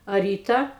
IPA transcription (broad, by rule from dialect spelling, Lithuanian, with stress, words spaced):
ɐ ˈrʲiːtɐ